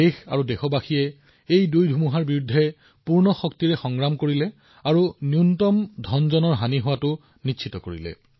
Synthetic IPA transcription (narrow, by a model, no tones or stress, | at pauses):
exa̰ɹudɛxɔbaxiɛ | ejdujdʱumuɦaɹbiɹudʱːɛ | puɹnɔxɔk̚tiɹɛxɔŋɹamkoɹilɛ | aɹuniuntɔmdʱɔnzɔnɔɹɦaniɦʊwatʊ | nitːʃʰitɔkoɹḭlɛ̰